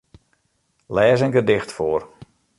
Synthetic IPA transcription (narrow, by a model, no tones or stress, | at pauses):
lɛːzəŋɡədɪxtfoːr